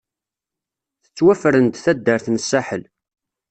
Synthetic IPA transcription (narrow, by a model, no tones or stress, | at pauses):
θə̥t͡sːwæfəɾənt̪θæd̪ːəɾθnəsːaħəl